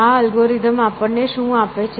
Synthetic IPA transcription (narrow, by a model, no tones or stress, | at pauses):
aəlɡoɾid̪ʱəmapəɳneʃũapet͡ʃʰ